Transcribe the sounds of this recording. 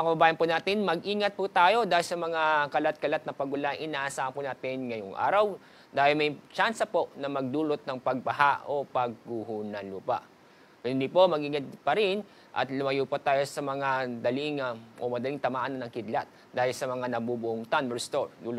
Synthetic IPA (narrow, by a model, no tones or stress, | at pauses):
ɐkɐbɐbaːjɐnpʊnaːt̪ɪnmɐɡʔiːŋɐt̪̚pʊt̪aːjo̞d̪aːhɪlsɐmɐŋakɐlat̪̚kɐlat̪̚nɐpɐɡʊlaŋʔɪnaːʔɐsaːhɐnpʊnaːt̪ɪnŋɐjoŋʔa̰ːɾɐw | d̪aːhɪlmɐjt͡ʃansɐpo̞ʔnɐmɐɡ̚d̪uːlot̪̚nɐŋpɐɡ̚bɐhaopɐɡ̚ːuhunɐluːpɐ̰ʔ | hɪnd̪ipo̞mɐɡʔiːŋɐt̪̚pɐɾɪn | ʔɐ̰t̪lʊmɐjuːpɐt̪aːjo̞sɐmɐŋad̪ɐlɪŋaʔomɐd̪ɐliŋt̪ɐmaːʔanɐnɐŋkɪd̪lat̪̚ | d̪aːhɪlsɐmɐŋanɐbubʊʔoŋt̪anbɛɹst̪oɹd̪uːlot̪